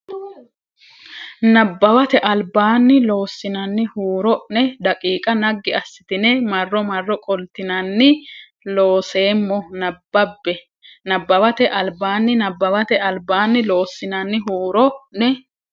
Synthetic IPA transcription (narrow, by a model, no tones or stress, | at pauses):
nɐbːɐwɐt̪ɛʔɐlbaːnːɪlo̞ːsːɪnɐnːɪhuːɾɔnɛd̪ɐkʼiːkʼɐnɐɡːɪɐsːɪt̪ɪnɛmɐrːɔmɐrːɔkʼɔlt̪ɪnɐnːɪ | lo̞ːse̞ːmːɔnɐbːɐbːɛ | nɐbːɐwɐt̪ɛʔɐlbaːnːɪnɐbːɐwɐt̪ɛɐlbaːnːɪlo̞ːsːɪnɐnːɪɦuːɾɔnɛ